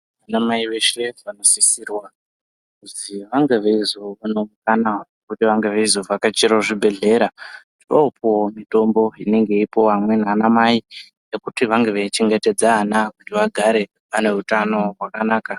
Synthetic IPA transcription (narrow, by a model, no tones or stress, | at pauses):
ʋanamaiʋe̞ʃe̞ʋano̞sisirwa | kuziʋaŋɡeʋeizo̞ʋano̞mukananekutiʋaŋɡeʋeizo̞vakat͡ʃiɾaʐibʱe̞ɮe̞ːɾatiropowomito̞mbo̞ine̞ŋɡe̞ipo̞ʋamwe̞nanamai | je̞kutiʋaŋɡeʋeit͡ʃeŋɡe̞te̞d͡zaːnakutiʋaɡʱaɾe̞ | pane̞utano̞rwakanaːka